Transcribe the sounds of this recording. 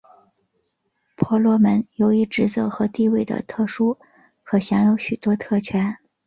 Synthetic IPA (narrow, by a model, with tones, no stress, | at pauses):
pʰwɔ˧˥lwɔ˧˥mə˧˥njo˧˥ʊi˧˥ʈ͡ʂɻ̩˧˥t͡sɤ˥˩xɤ˧˥t̪i˥˧we˥˩ɪd̪ə̰˨˩t̪ʰɤ˥˩ʂu˥ | kʰɤ˧˩ɕjɑ˧˥ŋjo˧˥ʊɕy˨˩t̪wɔ˥t̪ʰɤ˥˩t͡ɕʰɥɛ˧˥n